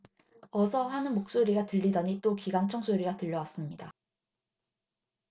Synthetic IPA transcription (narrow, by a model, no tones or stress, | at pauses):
ʌsʰʌɸanɯnmok̚s͈oɾiɡatɯʎːidʌɲit͈okiɡant͡ɕʰʌŋs͈ʰoɾiɡatɯʎːʌwas͈ɯmɲida